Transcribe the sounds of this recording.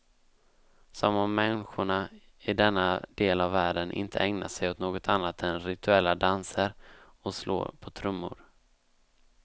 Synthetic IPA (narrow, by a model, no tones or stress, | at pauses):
sɔmɔmːɛnɧʊɳa | ɪd̪ɛnːad̪eːlavːæːɖənʔɪ̰nt̪ʰə̰ʔɛŋna̰ʂɛjɔt̪noːɡɔt̪ʰanːat̪ɛnɾɪt̪ʰɵɛlːad̪ansəɾ | ɔslo̰ːɾpʰɔt̪ʰɾɵmːʊ̰ɾ